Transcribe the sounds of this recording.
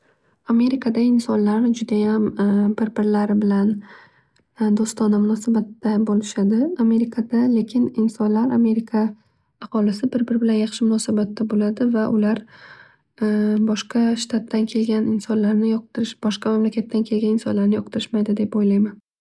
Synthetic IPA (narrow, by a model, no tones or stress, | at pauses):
ame̞ɾɪkʰad̪aɪnsɒnlaɾɪd͡ʒʊd̪ajambɪɾbɪɾlaɾɪbɪlan | d̪ost̪ɒnamʊnɒsabat̪ːabolɪʃad̪ɪame̞ɾɪkʰad̪ale̞kʲʰɪnɪnsɒnlaɾame̞ɾɪkʰaː | qɒlɪsɪbɪɾbɪbɪlanjɑχʃɪmʊnɒsabat̪ːabolad̪ɪvaʔʊlaɾ | bɒʃqɑʃt̪ʰat̪ːankʲʰe̞lɡʲanɪnsɒnlaɾnɪjɒq̚t̪ɪɾɪʃb̥ɒʃqɑmamlakʲʰat̪ʰːankʲʰe̞lɡʲanɪnsɒ̰nlaɾnɪjɒq̚t̪ʰɪɾɪʃmajd̪ɪd̪e̞pojlajman